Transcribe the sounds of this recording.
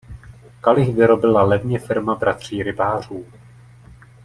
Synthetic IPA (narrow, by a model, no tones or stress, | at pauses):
kalɪxvɪɾo̞bɪlalɛvɲɛfɪɾmabɾat̪r̝̥iːɾɪbaːr̝uː